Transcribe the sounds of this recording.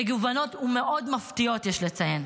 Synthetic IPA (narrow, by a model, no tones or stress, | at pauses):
eɡuvano̞t̪umeʔo̞dmaft̪io̞tjeʃlet͡sajen